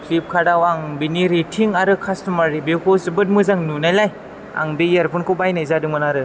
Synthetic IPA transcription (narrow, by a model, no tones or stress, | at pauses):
pʰlip̚kʰadawaŋbiniɾetʰiŋaɾɯkʰastumaɾibekʰosɯbɯt̚mɯzaŋnunajlaj | a̰ŋbejaɾpʰɯnkʰɔbajnajzadɯŋmɯnaɾɯ